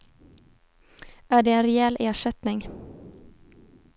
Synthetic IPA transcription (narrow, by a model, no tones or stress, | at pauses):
æːɖɛɛnɾɛɛlːʔeːʂɛt̪nɪŋ